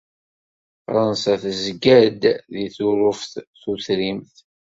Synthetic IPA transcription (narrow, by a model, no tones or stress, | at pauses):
fɾˤɑnsæθəzɡæd̪ðiθʊɾʊfθθuθɾimθ